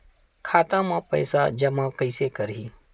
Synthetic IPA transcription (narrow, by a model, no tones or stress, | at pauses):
kʰaːt̪ãmãpə̰ɪsad͡ʒɐmãkəɪsekəɾɦiː